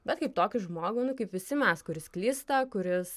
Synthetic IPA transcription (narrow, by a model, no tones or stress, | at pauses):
bʲɛt̪kɐɪp̚t̪oːkʲʊʒmoːɡʊnʊkɐɪpʋʲɪsʲɪmʲɛskʊɾʲɪsklʲiːst̪ɐkʊɾʲɪs